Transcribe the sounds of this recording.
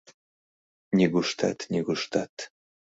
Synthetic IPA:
nʲiɡuʃt̪a̰t̪nʲiɡuʃt̪at̪

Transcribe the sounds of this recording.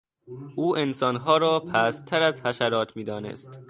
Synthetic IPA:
ʔuːʔensɒːnɦɒːɾɒːpʰæːst̪ʰæɾæzhæʃæɾɒːt̪ʰmiːd̪ɒːnḛst̪

